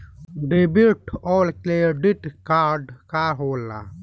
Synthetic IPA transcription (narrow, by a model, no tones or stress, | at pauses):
ɖebiʈoːlkleɖiʈkaːɾɖkaːɦoːla̰